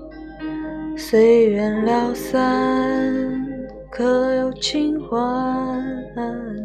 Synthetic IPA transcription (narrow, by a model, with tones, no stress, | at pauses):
swe˧˥ɪɥɛ˧˥nljɑ˧˩ʊsa˦n | kʰɤ˧˥jo˧˩ʊt͡ɕʰi˥ŋxwa˧˦˧